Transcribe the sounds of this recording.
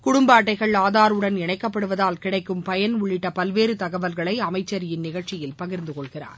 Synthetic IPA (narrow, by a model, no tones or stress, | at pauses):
kʊɽʊmbaːʈːɐɪɣɐɭaːðaːɾɯɽɐnɪɳɐɪkːɐpːɐɽɯʋɐðaːlkɪɽɐɪkːɯmpɐjɐnʊɭːɪʈːɐpɐlʋeːɾɯt̪ɐɣɐʋɐlɣɐɭɐɪɐmɐɪt͡ʃːɐɾɪjɪnnɪɣɐɭt͡ʃɪjɪlpɐɣɪɾnd̪ɯkɔɭɣɪra̰ːɾ